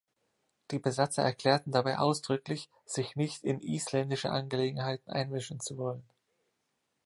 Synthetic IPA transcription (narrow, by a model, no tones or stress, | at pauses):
d̥iːbəzat͡sɐɛɐkl̥ɛːɐtn̩dabaɪʔaʊsd̥ʁʏklɪç | z̥ɪçnɪçtɪnʔiːslɛndɪʃə̰ʔanɡəleːɡŋ̩ɦaɪtn̩ʔa̰ɪnvɪʃn̩t͡suvɔlən